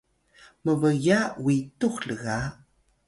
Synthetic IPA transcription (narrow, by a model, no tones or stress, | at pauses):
məvəjawituxɬəɣa